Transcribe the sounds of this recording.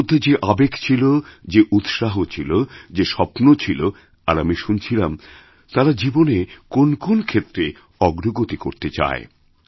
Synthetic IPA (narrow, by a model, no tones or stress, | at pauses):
d̪ʱːed͡ʑeʔabekt͡ɕʰilod͡ʑeʔut̪ʃaɦot͡ɕʰilod͡ʑeʃɔpnot͡ɕʰilo | aɾamiʃunt͡ɕʰilam | t̪aɾad͡ʑibonekonkonkʰet̪ːɾe | ɔɡɾoɡot̪ikoɾt̪et͡ɕa̰e